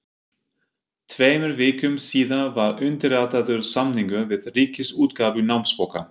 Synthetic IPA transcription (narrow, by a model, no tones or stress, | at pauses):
t̪ʰveːjmʏɾvɪːkʏmsiːðanvaɾʏnt̪ɪɾaːt̪aðʏɾ̥samniŋkʏvɪðriːcɪsuːt̪kaːvʏnawmspowka̰